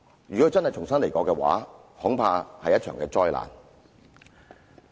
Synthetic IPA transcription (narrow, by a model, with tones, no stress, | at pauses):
ɥyː˨kɔ˨˥˧t͡sɐ˥nhɐ˨jt͡ʃʰʊ˨˩ŋsɐ˥nle˨˩jkɔː˨˧kɛː˧wa̰ː˨˥hʊ˨˥ŋpʰaː˧hɐ˨jːɐ˥t̚t͡ʃʰœ̰ː˨˩ŋkɛː˧t͡sɔː˥jla̰ː˨˩n